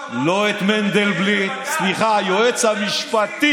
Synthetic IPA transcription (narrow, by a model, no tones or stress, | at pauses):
loet̪mɛnd̪elblisliχajoet͡shamiʃpat̪i